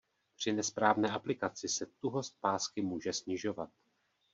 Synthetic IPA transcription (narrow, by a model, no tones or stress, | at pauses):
pr̝̥ɪnɛspɾaːvnɛːʔaplɪkat͡sɪsɛt̪uɦo̞st̪̚paːskɪmuːʒɛsɲɪʒo̞vat̪̚